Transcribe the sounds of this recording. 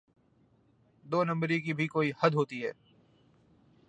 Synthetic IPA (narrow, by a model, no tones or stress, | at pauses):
d̪oːnɐ̃mbɾik̬ibʱikoːihɐd̪ɦoːt̪iɦɛ̰ː